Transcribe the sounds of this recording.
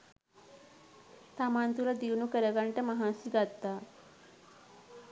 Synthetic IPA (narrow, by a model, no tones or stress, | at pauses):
t̪amant̪ulad̪iwnukəɾəɡaɳʈaməɦãsiɡat̪ːa